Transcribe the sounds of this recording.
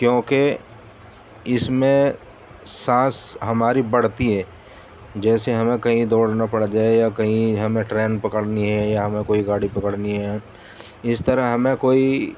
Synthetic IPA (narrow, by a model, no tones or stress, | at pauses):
kjõːke | ɪsmẽ | sãːsɦɐmaːɾibɐɽ̤t̪iɦɛː | d͡ʒɛːseɦɐmẽkɐɦĩd̪oːɽnapɐɽd͡ʒaːejakɐɦĩɦɐmẽʈɾeːnpɐkəɽniɦɛjaɦɐmẽkoːiɡaːɽipɐkəɽniɦɛ | ɪst̪əɾəɦɦɐmẽkoːi